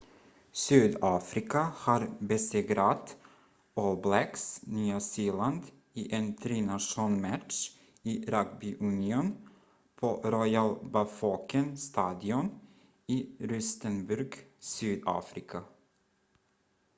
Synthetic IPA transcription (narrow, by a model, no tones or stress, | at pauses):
syːd̪ɑːfɾɪkahɑɾbɛseːɡɾat̪ | ɔlblɛksnyːasiːland̪ | iːʔent̪ʰɾiːnaʂuːnmæʈ̪ʂ | iːɾaɡbʏʔʉnɪun | pʰoɾɔjalbɑfokənst̪ɑːd̪ɪɔn | iːɾʏst̪ənbʉɾɡsyːd̪ɑ̰ːfɾɪkʰa